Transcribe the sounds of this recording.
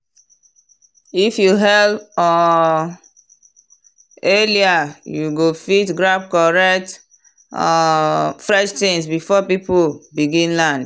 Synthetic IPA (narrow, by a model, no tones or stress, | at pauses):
ifjuɦɛlɔ | eliajuɡofitɡɾab̚kɔɹɛkt | fɹɛʃtĩnsbifɔpipulbiɡĩnlãnd